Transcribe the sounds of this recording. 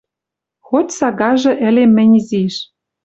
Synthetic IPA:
xotʲsɑɣɑʒɤ̆ʔɘ̆lemːɘ̆nʲiziʃ

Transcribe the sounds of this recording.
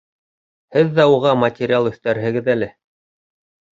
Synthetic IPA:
hɘðːæuʁɑmɐtʲɪɾʲɪalˠɵθt̪æɾɦɘ̆ɡɘðælɘ

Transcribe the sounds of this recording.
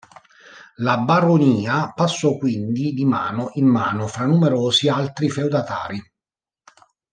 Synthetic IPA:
labaɾoniːapasːɔkwind̪id̪ima̰ːnoʔimːaːnofɾanːumeɾoːsialt̪ɾifewd̪at̪a̰ːɾi

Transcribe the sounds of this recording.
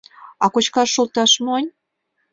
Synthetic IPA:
ɑkot͡ɕkɑʃːult̪ɑʃmonʲ

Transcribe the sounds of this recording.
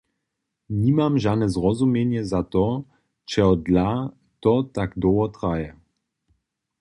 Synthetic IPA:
ɲimamʒadnɛzrɔzumjɛɲjɛzat̪ɔ | t͡ʃɛɦɔd̪la | t̪ɔt̪aɡd̪ɔwɔt̪ʁajɛ

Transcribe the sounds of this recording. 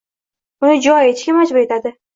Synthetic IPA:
ʊnɪd͡ʒʊɒjet͡ʃkʲɪmad͡ʒbʊɾe̞t̪ʰad̪ɪ

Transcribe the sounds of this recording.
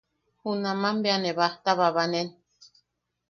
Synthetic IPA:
hunamambeaneβaht̪aβaβanen

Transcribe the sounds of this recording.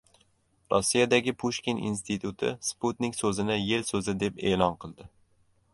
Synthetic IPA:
ɾʔɒsːijad̪æɡʲɪpʰuʃkʲinḭnst̪ʰit̪ʰut̪ʰɪ̰spʰut̪nɪkʲsɵzɪnɪjelsɵzɪd̪e̞peːlˠɑnqʰɨlˠd̪ɪ

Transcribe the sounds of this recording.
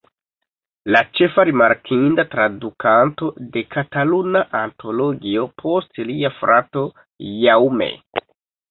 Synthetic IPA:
lat͡ʃe̞faɾimaɾkʰindatɾadukanto̞de̞katalunaʔanto̞lo̞ɡio̞pʰo̞stliafɾʔato̞ | jawmḛ

